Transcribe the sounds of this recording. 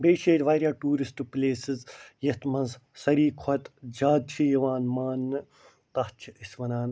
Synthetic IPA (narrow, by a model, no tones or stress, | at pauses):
beːʃeːɾʲʋaːɾʲjaːʈuːɾisʈpleːsizjɐt̪mɐ̃nzsɐɾiːkʰɔt̪d͡ʒaːd̪̚t͡ʃʰijɐʋaːnmaːnː | t̪ɐɦt͡ʃʰiisʲʋɐnaːn